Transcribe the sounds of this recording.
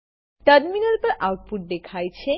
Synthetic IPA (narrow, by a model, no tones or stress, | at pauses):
ʈəɾminəɾpəʔawʈ̚puʈ̚d̪ekʰajt͡ɕʰe